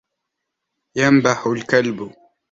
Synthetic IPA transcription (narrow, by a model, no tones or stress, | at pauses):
jambaħʊlkalb